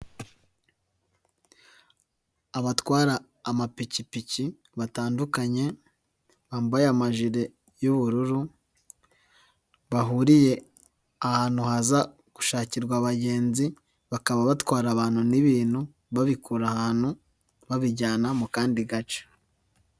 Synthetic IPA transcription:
aβatwaːɾaː | mapicipici | βataːndukaɲe̞ | βaːmbajamaʒiɾe̞ | juβuɾuɾu | βaɦuɾije̞ | ahaːn̥huɦaza | ɡ̥u̥ʃaːciɾɡwaβaɟe̞ːnzi | βakaβaβatwaːɾaβaːn̥huniβiːn̥hu | βaβikuːɾahaːn̥hu | βaβiɟaːnamukaːndiɡat͡ʃe̥

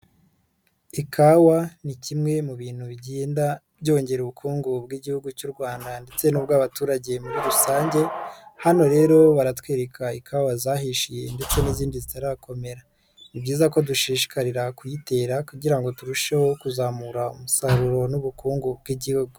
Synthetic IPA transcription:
ikʰawanicimŋe̞muβiːn̥huβiɟeːnda | bɟo̞ːɲɟe̞ɾuβukʰuːŋɡubɡiɟihuɡucuːɾɡwaːndande̞t͡se̞nuːbɡaːβatuːɾaɟe̞muβiɾusaːɲɟe̞hano̞ɾe̞ɾo̞βaɾatweːɾe̞kʰaikʰawazahiʃije̞nde̞t͡se̞niziːndizitaɾakʰo̞me̞ɾa | nibɟiːzako̞duʃiːʃi̥kaɾiɾakujite̞ːɾakuɟiɾaŋɡo̞tuɾuʃeho̞kuzamuɾaumusaɾuɾo̞nuβukuːŋɡubɡiɟihuɡu

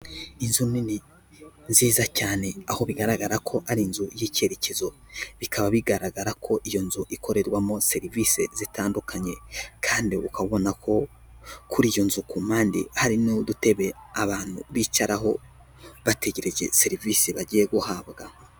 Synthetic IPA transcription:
inzunini | nziːzacaːne̞aho̞βiɡaɾaɡaɾakʰo̞haɾinzujice̞ɾecezo̞ | βikʰaβaβiɡaɾaɡaɾakʰo̞ʔijo̞nzuʔikʰo̞ɾe̞ɾɡwamo̞se̞ɾivise̞̰z̥itʰaːndukaɲe̞kʰaːndiukaβo̞nakʰo̞ | kuɾiːjo̞nzukum̥aːndḭhaɾinodute̞βe̞aβaːn̥huβit͡ʃaɾaɦo̞ | βate̞ɟe̞ɾe̞ʒe̞se̞ɾivisiβaɟije̞ɡuhaːbɡa

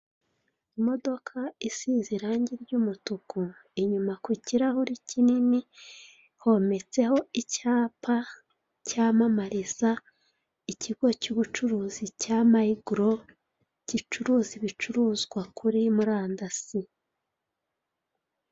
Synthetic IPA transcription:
imo̞do̞kʰaisiːziɾaːɲɟiɾɟuːmutukoiɲumakwiciɾahuɾicʰinini | ho̞me̞t͡se̞ho̞icaːpʰa | caːmamaɾiz̥a | iciɡo̞cuːβut͡ʃuɾuːzicaːmahiɡuɾo̞ | cit͡ʃuɾuziβit͡ʃuɾuːzɡwakʰuɾimuɾaːndasi

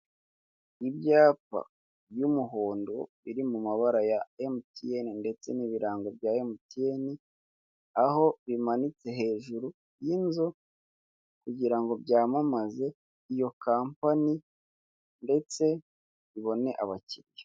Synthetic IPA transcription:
ibjaːpa̰ | bjumuɦoːndo̞βiɾimumaβaɾajaemtijeninde̞t͡se̞̰niβiɾaːŋɡob̚jaemtieni | aho̞βimanit͡se̞ɦe̞ːʒuɾu | jinzo | kuɟiɾaŋɡo̞bjaːmamaze̞ | ijo̞kaːmpani | nde̞t͡se̞ | βiβo̞ne̞ʔaβaciɾje

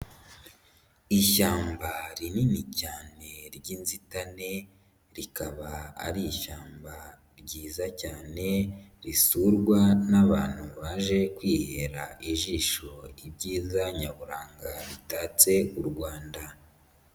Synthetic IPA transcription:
iʃaːmbaɾininicaːne̞ɾɟiːnzitane̞ | ɾikaβaa̰ɾiːʃaːmba | ɾɟiːzacaːne̞ɾisuɾɡwanaβa̰ːn̥huβaːʒe̞kwiːhe̞ɾaiʒiːʃo̞ibɟiːzaɲaβuɾaːŋɡaɾitaːt͡se̞uɾɡwaːnda

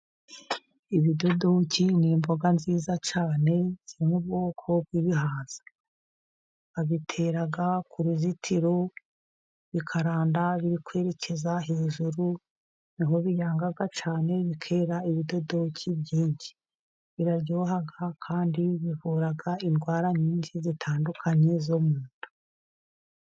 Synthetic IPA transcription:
iβido̞dociniːmboɡanziːzat͡ʃaːne̞z̥iɾimobɡo̞ːkʰo̞b̚ɡiβiɦaːz̥ḁ | aβitʰe̞ːɾaɡakʰuɾizitʰiɾo | βikʰaɾaːndaβiɾikwe̞ːɾe̞ce̞zaɦeːʒuɾu | niɦo̞βijaːŋɡaɡat͡ʃaːne̞βikʰe̞ːɾaiβido̞do̞cibɟiːɲɟi̥ | βiɾaɾɟo̞ːɦaɡakʰaːndiβiβuɾaɡainɡwaːɾaɲiːnʃizitʰaːndukʰaɲe̞zomuːntu̥

